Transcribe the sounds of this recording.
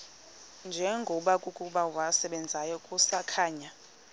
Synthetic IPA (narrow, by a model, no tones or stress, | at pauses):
nd͡ʒʱɛŋɡʱɔɓakʼukʼuɓawasɛɓɛnd͡zʱajɔkʼusakʰaːɲa